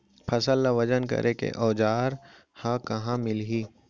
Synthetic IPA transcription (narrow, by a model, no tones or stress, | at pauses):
pʰɐsəlːaʋɐd͡ʒənkɐ̰ɾʔekḛʔɔːd͡ʒaːɾ | hãkɐɦãmɪlɦiː